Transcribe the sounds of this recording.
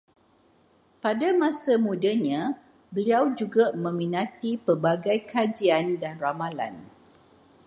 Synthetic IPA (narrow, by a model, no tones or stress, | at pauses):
padamãsamũdaɲã | bəliawd͡ʒuɡamə̃mĩnãt̪ipərbaɡajkad͡ʒiandanramala̰n